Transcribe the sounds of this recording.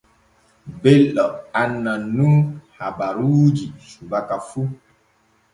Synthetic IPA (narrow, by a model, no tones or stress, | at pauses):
beləanənuŋhabaɾud͡ʒisubakafu